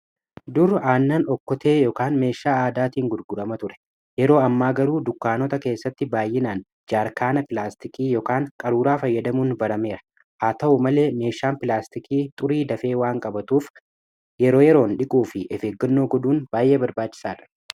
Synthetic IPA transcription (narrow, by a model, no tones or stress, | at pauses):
d̪ʊɾaːnːɐnɔkːɔt̪e̞ːjɔkaːnme̞ːʃːaːaːd̪aːt̪iːŋɡʊɾɡʊɾɐmɐt̪ʊɾɛ̥ | jɛɾo̞ːɐmːaːɡɐɾuːd̪ʊkːaːnɔt̪ɐke̞ːsːɐt̪ːɪbaːjːɪnaːn | d͡ʒaːɾkaːnɐpɪlaːst̪ɪkiːjɔkaːŋkʼɐɾuːɾaːfɐjːɐd̪ɐmuːnbɐɾɐme̞ːɾɐ̥ | ʔaːt̪ɐʔʊmɐle̞ːme̞ːʃːaːmpɪlaːst̪ɪkiːt̪ʼʊɾiːd̪ɐfe̞ːwaːŋkʼɐbɐt̪uːf | jɛɾo̞ːjɛɾo̞ːnᶑɪkʼuːfɪʔɛfeːɡːɐnːo̞ːɡɔd̪uːnb̥aːjʔe̞ːbɐɾbaːt͡ʃːɪ̥saːᶑɐ̥